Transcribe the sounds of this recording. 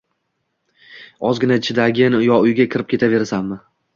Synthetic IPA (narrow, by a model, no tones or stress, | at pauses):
ɒzɡʲɪnaɪt͡ʃʰɪd̪aɡʲɪnʊjɒʊjɡʲakʲʰɪɾɪp̚kʲʰe̞t̪ʰave̞ɾsanːɪ